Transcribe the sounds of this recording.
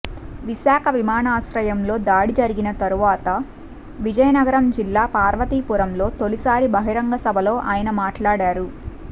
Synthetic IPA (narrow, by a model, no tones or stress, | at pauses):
ʋiʃaːkʰɐʋimaːnaːsɾɐjɐmlo̞ːd̪aːɽid͡ʒɐɾiɡinɐt̪ɐɾuʋaːt̪ɐ | ʋid͡ʒɐjɐnɐɡɐɾɐmd͡ʒilːaːpaːɾʋɐt̪iːpuɾɐmlo̞ːt̪olisaːɾibɐɦiɾɐŋɡɐsɐbʱɐlo̞ːʔaːjɐnɐmaːʈlaːɽaːɾu